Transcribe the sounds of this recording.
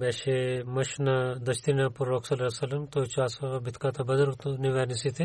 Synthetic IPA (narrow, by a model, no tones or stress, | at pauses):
bɛːʃemɐʃnɐd̪ɐʃt̪inapuɾɾoːksɐlɾɐsɐlɐmt̪ot͡ʃaːsɐʋɐbʱit̪ʰkat̪ʰɐbɐzɐɾt̪uniʋɛːnisit̪ʰi